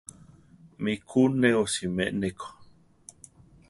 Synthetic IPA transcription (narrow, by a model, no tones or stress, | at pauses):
mikʰuneosimḛʔnekʰo̥